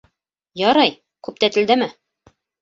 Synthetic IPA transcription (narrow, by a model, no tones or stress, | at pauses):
jɒɾɑj | kʉp̚t̪æt̪ɘ̆ld̪æmɘ